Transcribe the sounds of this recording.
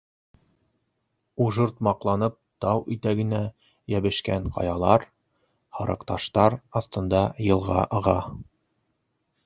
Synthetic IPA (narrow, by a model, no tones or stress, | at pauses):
uʒɤɾt̪mɑqlˠɑnɤp̚t̪ɑwʔit̪æɡɘ̆næ | jæβɘ̆ʃkæɴqɑ̰jɑlˠɑɾ | hɑɾɤ̆qt̪ɑʃt̪ɑɾɑθt̪ɤ̆nd̪ɑjɤ̆lˠʁɑʔɤ̆ʁɑ